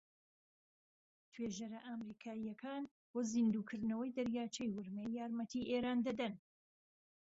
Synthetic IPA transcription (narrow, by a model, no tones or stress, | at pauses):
t̪ʰweːʒɐɾɐʔaːmɾiːkʰaːijɐkʰaːn | boːzind̪uːkʰɨɾd̪nɐwɐjd̪ɐɾjaːt͡ʃʰɐjwʊɾmejːaːɾmɐt̪ʰiʔeːɾaːnd̪ɐd̪ɐn